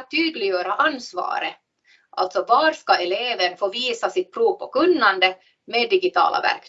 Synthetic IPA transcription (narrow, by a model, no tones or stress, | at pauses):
t̪ʰyːd̪lɪɡjøːɾaʔanːsvɑ̰ːɾə | ʔa̰lt̪sɔvɑːɾʂkaɛleːvəɳfoːviːsasɪt̪̚pʰɾuːvpʰɔkɵnːand̪ə | meːd̪ːɪɡɪt̪ʰɑ̰ːla̰væ̰ɾk